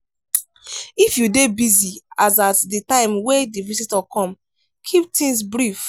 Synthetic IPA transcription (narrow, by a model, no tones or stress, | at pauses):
ifjudebiziazatditãɪ̃mwedivisitɔkɔ̃m | kʰip̚tĩŋs̬bɹif